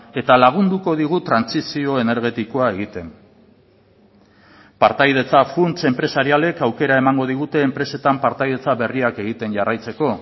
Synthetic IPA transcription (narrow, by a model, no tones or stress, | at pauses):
e̞t̪alaɣ̞und̪uko̞ð̞iɣ̞ut̪ɾansisio̞e̞ne̞ɾɣ̞e̞t̪iko̞ae̞ɣ̞it̪e̞m | paɾt̪ajð̞e̞t͡safunt͡se̞mpɾe̞saɾiale̞kawke̞ɾaemaŋɡoð̞iɣ̞ut̪e̞ːmpɾe̞se̞t̪ampaɾt̪ajðe̞t͡saβe̞riake̞ɣit̪e̞nʝarajt͡se̞ko̞